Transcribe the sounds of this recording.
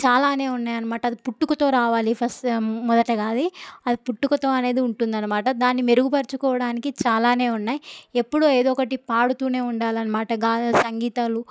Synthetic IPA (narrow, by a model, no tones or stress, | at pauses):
t͡ʃaːlaːne̞ːunːaːjɐnɐmaːʈɐd̪ipuʈːukɐt̪o̞ːɾaːʋaːlipʰɐsmɔd̪ɐʈɐɡaːd̪iɐd̪ipuʈːukɐt̪o̞ːɐne̞ːd̪iuɳʈund̪ɐnːɐmaːʈɐd̪aːnːime̞ɾuɡupɐɾt͡ʃukɔːʋɐɽaːnikit͡ʃaːlaːne̞ːunːaːjie̞pːuɽueːd̪ɔːkɐʈipaːɽut̪uːne̞ːuɳɖaːliɐnɐmaːʈɐɡaːsɐŋɡiːt̪alu